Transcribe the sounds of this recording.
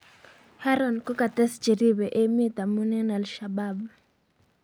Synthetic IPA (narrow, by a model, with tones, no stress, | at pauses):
ha˦ɾɔ˨nkɔ˦ka˨t̪ɛ˦st͡ʃe˨ɾi˦be˨ʔe˦mi˦t̪a˨mu˦nɛ˦na˨lʃa˨ba˦b